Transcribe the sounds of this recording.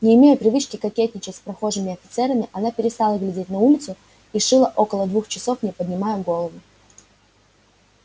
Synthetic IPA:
nʲɪːmʲejʊpɾʲɪvɨt͡ɕkʲɪkɐkʲet̪ʲnʲɪt͡ɕɪtʲspɾɐxo̞ʐɨmʲɪɐfʲɪt̪sɛɾəmʲɪʔɐnapʲɪɾʲɪst̪alˠəɡlʲɪdʲet̚ʲnɐulʲɪt̪sʊ | ɪʂɨlˠəʔo̞kəlˠəd̪vuxt͡ɕɪso̞fnʲɪpədʲnʲɪmajʊɡo̞lˠəvʊ

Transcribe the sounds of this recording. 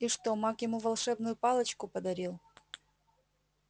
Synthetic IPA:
iʂt̪omakjɪmuvɐlˠʂɛbnʊjʊpalˠət͡ɕkʊpəd̪ɐɾʲilˠ

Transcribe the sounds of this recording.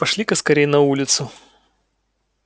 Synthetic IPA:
pɐʂlʲikəskɐɾʲejnɐulʲɪt̪sʊ

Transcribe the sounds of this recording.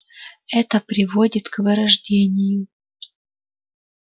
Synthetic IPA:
ɛt̪əpɾʲɪvo̞dʲɪt̪kvɨɾɐʐdʲenʲɪjʊ

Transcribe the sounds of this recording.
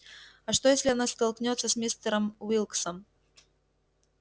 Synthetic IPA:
ɐʂt̪ojesʲlʲɪɐnast̪ɐlˠknʲot̪sːəsʲmʲist̪əɾəmvilˠksɐm

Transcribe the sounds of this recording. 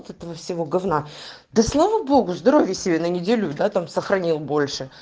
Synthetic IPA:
t̪ɛt̪əvəfsʲɪvo̞ɡɐvna | d̪ɐslˠavəbo̞ɡʊzd̪ɐɾo̞vʲjəsʲɪbʲenənʲɪdʲelʲud̪at̪amsəxɾɐnʲilˠbo̞lʲʂɨ

